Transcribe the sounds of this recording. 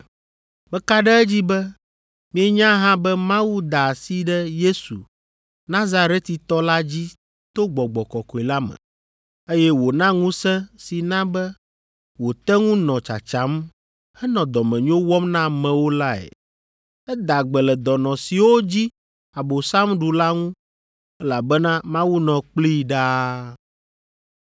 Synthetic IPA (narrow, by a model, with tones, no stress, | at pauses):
bɛ˦ka˦ɖɛ˦ɛ˦d͡ʑi˦bɛ˦ | mĩ˦ɛ˦ɲã˦ɦã˦bɛ˦mã˦wu˦d̪a˨si˦ɖɛ˦je˦sṵ˨ | nã˦za˨ɾe˦t̪i˨t̪ɔ˦la˦d͡ʑi˦ | t̪o˦ɡ͡bɔ˨ɡ͡bɔ˨kɔ˨kɔ˨i˨la˦mɛ̰̃˨ | e˦jɛ˦wo˨nã˦ŋũ˦sɛ̃˦si˨nã˦bɛ˦ | wo˨t̪ɛ˦ŋũ˦nɔ̃˨t͡ʃa̰˨t͡ʃa˨˦m | hɛ˦nɔ̃˨d̪ɔ˨mɛ̃˨ɲõ˦wɔ˦mnã˦˨mɛ̃˨wo˦la˦ɛ̰˨ | ɛ˦d̪a˨ɡ͡bɛ˨lɛ˨d̪ɔ˨nɔ̃˨si˨wo˦d͡ʑi˦ | a˨bo˨sa˦mɖu˨la˦ŋũ˦ | ɛ˦la˨bɛ˦nã˦mã˦wu˦nɔ̃˨k͡pli˦˨ɖa˦